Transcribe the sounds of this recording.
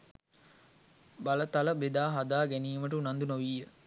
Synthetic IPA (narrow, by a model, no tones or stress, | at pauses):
balət̪aləbed̪aːɦad̪aːɡæniːməʈəunand̪unoʋiːə